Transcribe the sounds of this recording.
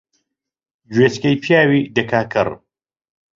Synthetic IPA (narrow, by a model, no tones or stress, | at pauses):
d͡ʒweːt͡ʃkɐjpʰjaːwid̪ɐkʰaːkʰɨɾ